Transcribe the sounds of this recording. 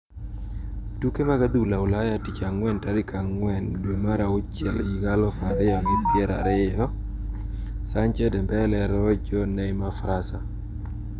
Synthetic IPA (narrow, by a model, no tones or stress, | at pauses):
tukemaɡad̪ulaʊlajatit͡ʃaŋwɛntaɾɪkʰaŋwɛndwemaɾaʊt͡ʃɪɛliɡalɔfaɾɪjɔmɪpɪɛɾa̰ɾɪjɔ | saɲt͡ʃɛdɛmbɛlɛɾɔd͡ʒɔnɛmafɾasa